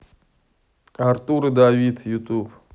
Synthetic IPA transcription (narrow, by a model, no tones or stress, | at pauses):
aɾt̪uɾɨd̪awit̪jut̪ub